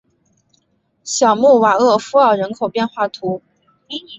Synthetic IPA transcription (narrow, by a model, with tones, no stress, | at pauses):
ɕjɑ˨˩ʊmu˥˩wa˨˩ɤ˥˩fu˥ɑ˥˩ʊɻə˧˥nkʰo˨˩ʊpjɛ˥˧nxwa˥˩t̪ʰu˧˥